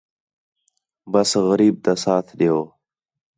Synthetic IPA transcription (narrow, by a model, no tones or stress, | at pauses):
bəsɣəɾiːb̚t̪asaːt̪ʰɗijoː